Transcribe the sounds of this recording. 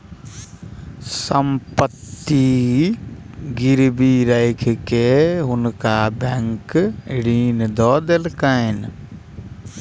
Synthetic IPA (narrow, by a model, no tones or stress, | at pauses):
səmpət̪ːi | ɡɪɾbiɾəɪkʰkeɦʊnkabɛŋkɽiːnd̪ɔːd̪elkaɪn